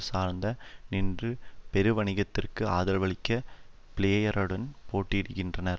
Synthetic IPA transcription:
saːɾnd̪ɐnɪndrɯpɛɾɯʋɐɳɪɣɐt̪ːɪrkɯaːðɐlʋɐɭɪkːɐ | pɪɭeːjɐɾɐɽɐnpoːʈːɪɪɽɯɣɪndrɐnɐɾ

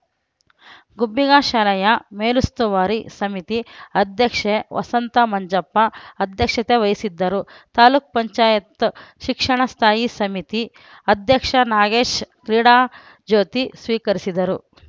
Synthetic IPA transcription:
ɡubːiɡaːʃaːlɐjɐmeːlust̪uʋaːɾisɐmit̪iɐd̪ʱjɐkʂeʋɐ̰sɐnt̪ɐmɐɲd͡ʒɐpːɐːd̪ʱjɐkʂɐt̪eʋɐjisid̪ːɐɾut̪aːluːk̚pɐɲt͡ʃaːjɐt̪ʃikʂɐɳɐst̪ʰaːjisɐmit̪i | ɐd̪ʱjɐkʂɐnaːɡeːʃkɾiɽaː | d͡ʒoːt̪isʋiːkɐɾisid̪ɐɾu

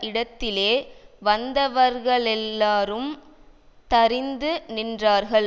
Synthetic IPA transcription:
ɪɽɐt̪ːɪleːʋɐnd̪ɐʋɐɾɣɐɭɛlːaːɾɯm | t̪ɐɾɪnd̪ɯnɪndraːɾɣɐɭ

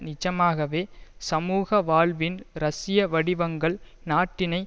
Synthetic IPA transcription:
nɪt͡ʃːɐmaːɣɐʋeːsɐmuːɣɐʋaːɭʋɪnɾɐsɪjɐʋɐɽɪʋɐŋɡɐɭ | naːʈːɪnɐɪ

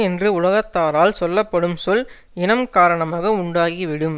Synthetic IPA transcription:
ɛndrɯʊlɐɣɐt̪ːaːɾaːlsɔlːɐpːɐɽɯmsɔl | ɪnɐmkaːɾɐɳɐmaːɣɐʊɳɖaːɣiʋɪɽɯm

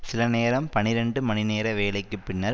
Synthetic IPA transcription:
sɪlɐneːɾɐmpɐnɪɾɛɳɖɯmɐnɪneːɾɐʋeːlɐɪkːɯpːɪɳːɐɾ

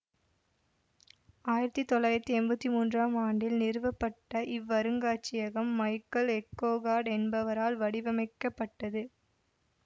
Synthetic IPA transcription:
aːjɪɾɐt̪ːit̪ːɔlːaːjɪɾɐt̪ːiɛmbɐt̪ːimuːndraːmaːɳɖɪlnɪɾɯʋɐpːɐʈːɐʔɪʋːɐɾɯŋɡaːt͡ʃɪjɐɣɐmːɐɪkːɐlɛkːoːɣaːɖɛnbɐʋɐɾaːlʋɐɽɪʋɐmɐɪkːɐpːɐʈːɐðɯ

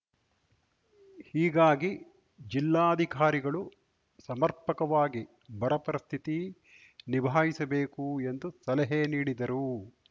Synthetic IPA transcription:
hiːɡaːɡi | d͡ʒilːaːɐd̪ʱikaːɾiɡɐɭu | sɐmɐɾpɐkɐʋaːɡi | bɐɾɐpɐɾɐst̪ʰit̪i | nibʱaːɦisɐbeːkue̞nd̪usɐlɛɦeniːɽid̪ɐɾu

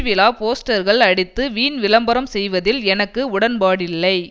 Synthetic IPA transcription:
ʋɪlaːpoːsʈɐɾɣɐɭɐɽɪt̪ːɯʋiːnʋɪlɐmbɐɾɐmsɛjʋɐðɪlɛnɐkːɯʊɽɐnpaːɽɪlːɐɪ

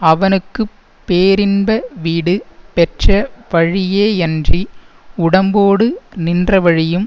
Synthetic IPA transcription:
ɐʋɐnɯkːɯ | pːeːɾɪnbɐʋiːɽɯpɛʈrɐʋɐɻɪjeːɛndri | ʊɽɐmboːɽɯnɪndrɐʋɐɻɪjɯm

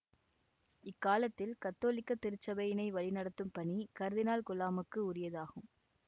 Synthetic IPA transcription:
ɪkːaːlɐt̪ːɪlkɐt̪ːoːlɪkːɐt̪ːɪɾɯt͡ʃːɐbɐjɪnɐɪʋɐlɪnɐɽɐt̪ːɯmpɐɳikɐɾðɪnaːlkʊlaːmɯkːɯʊrɪjɐðaːɣɯm

